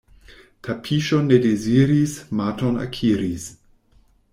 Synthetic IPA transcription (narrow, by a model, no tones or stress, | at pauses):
tʰapʰiʃonedeziɾismatona̰kʰiɾis